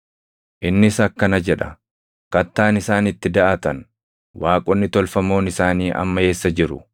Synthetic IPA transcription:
ʔɪnːɪsɐkːɐnɐd͡ʒɛᶑɐ̥ | kɐt̪ːaːnɪsaːnɪt̪ːɪd̪ɐʔɐt̪ɐn | waːkʼɔnːɪt̪ɔlfɐmo̞ːnɪsaːniːʔɐ̰mːɐhe̞ːsːɐd͡ʒɪɾʊ̰

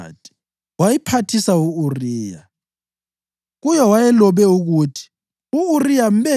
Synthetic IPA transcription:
tʼi̥ | wajipʰatʰisauuriːja̰ | ɣujɛwajɛlɔβɛuɣutʰi̥ | uːrijam̩bɛ

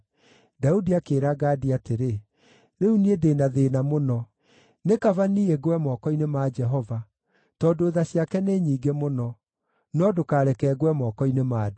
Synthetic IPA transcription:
daudiakeːɾaɡaːdiateɾe | ɾeuniedenaðenamonɔ | nekavanieɡwɛmɔkɔinemaːd͡ʒɛɦɔva | tɔːndoːðaɕjakɛneːɲiːɡemonɔ | nɔdokaːɾɛkɛɡwɛmɔkɔinemaːd

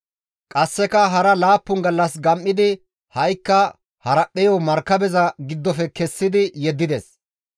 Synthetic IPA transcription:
kʼɐsːɛkɐɦɐɾɐlaːpːʊŋɡɐlːɐsɡɐmʔːɪd̪ɪ | hɐjkːɐ | hɐɾɐpːɛjɔmɐɾkːɐbɛzɐɡɪd̪ːɔfɛkɛsːɪd̪ɪjɛd̪ːɪd̪ɛs

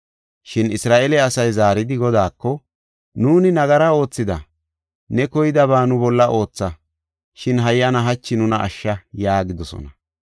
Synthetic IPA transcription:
ʃɪnɪsɾaːʔɛlɛɐsɐjzaːɾɪd̪ɪɡɔd̪aːkːɔ | nuːnɪnɐɡɐɾɐo̞ːt͡sːɪd̪ɐ̰ | nɛkɔjɪd̪ɐbaːnʊbɔlːɐʔo̞ːt͡sːɐ | ʃɪnɦɐjːɐnɐɦɐt͡ʃːɪnʊnɐʔɐ̰ʃːɐjaːɡɪd̪ɔsɔ̰nɐ

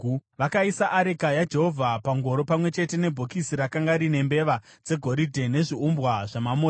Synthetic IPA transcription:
ʋakaisaʔːɾekajad͡ʒe̞ɦo̞vʱapaŋɡo̞ɾo̞pamwe̞t͡ʃe̞te̞ne̞bʱokisiɾakaŋɡaɾine̞mbe̞ʋad͡ze̞ɡʱo̞ɾidʱe̞ne̞ʐiumbwaʐamamoː

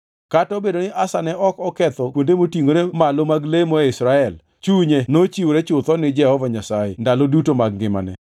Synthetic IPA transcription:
katɔbedonɪʔasanɛɔkɔkɛt̪ɔkwondemotiŋoɾemalomaɡlemɔɪsɾaɛl | t͡ʃuɲenot͡ʃiwoɾet͡ʃʊt̪ɔnɪd͡ʒɛhɔvaɲasajḛndalodutomaɡɡɪma̰nɛ̰

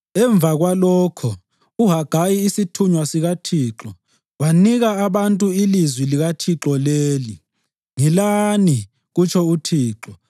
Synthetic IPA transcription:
ɛɱb̪vʱaɣwalɔːkʰɔ | uɦaɡ̥ʱajiːsitʰuɲwasiɣatʰiːǁɔ | waniɣaːβantʼuilizwiliɣatʰiǁɔleːli | ŋilani | ɣut͡ʃʰɔutʰiːǁɔ

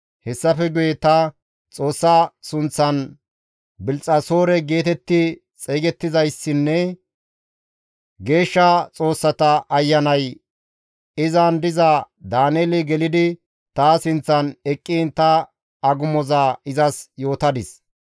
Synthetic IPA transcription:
hɛsːɐfɛɡʊjɛt̪ɐ | t͡sʼo̞ːsːɐsʊnt͡sːɐn | bɪlt͡sʼːɐso̞ːɾɛɡe̞ːt̪ɛt̪ːɪ | t͡sʼeːɡɛt̪ːɪzɐjsːɪnːɛ | ɡe̞ːʃːɐt͡sʼo̞ːsːɐt̪ɐʔɐjːɐnɐj | ɪzɐnd̪ɪzɐ | d̪aːneːlɪɡɛlɪd̪ɪ | t̪aːsɪnt͡sːɐnɛkʼːint̪ɐ | ɐɡʊmɔzaːɪzɐsjo̞ːt̪ɐd̪ɪs

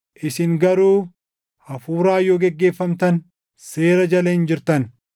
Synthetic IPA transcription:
ʔɪsɪŋɡɐɾuː | hɐfuːɾaːjoːɡɛɡːe̞ːfːɐmt̪ɐn | seːɾɐd͡ʒɐlɐɪnd͡ʒɪɾt̪ɐn

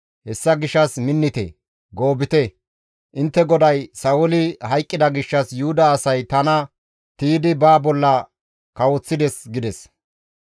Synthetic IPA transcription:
hɛsːɐɡɪʃːɐsmɪnːɪt̪ɛ̰ | ɡoːbɪt̪ɛ | ʔɪnt̪ːɛɡɔd̪ɐjsɐwʊlɪhɐjkʼːɪd̪ɐɡɪʃːɐsjʊhʊd̪ɐːsɐjt̪ɐnɐ | t̪iːd̪ɪbaːbɔlːɐ | kɐwɔt͡sːɪd̪ɛsɡɪd̪ɛs

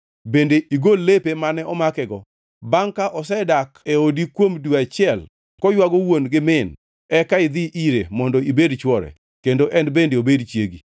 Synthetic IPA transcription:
bendeʔiɡolːepemanɛɔmakɛɡɔ | baŋkaʔɔsɛdakeodikwomduat͡ʃɪɛl | kɔjwaɡɔwonɡɪmɪn | ɛkaɪd̪ɪʔiɾemɔndɔibedt͡ʃwɔɾɛ̰ | kendoʔɛnbendeobedt͡ʃjeɡi

